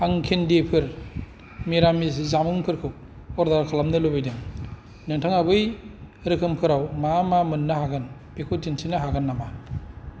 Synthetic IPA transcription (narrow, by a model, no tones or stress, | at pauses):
aŋkʰendepʰɯɾ | meɾamiszamɯŋpʰɯɾkʰɯw | ɔɾdaɾkʰalamnɯlɯbajdɯŋ | nɯntʰɯŋabɯj | ɾɯkʰɯmkʰɯɾawmamamɯnːɯhaɡɯnpekʰud͡ʒinsʰinɯɦaɡɯnːama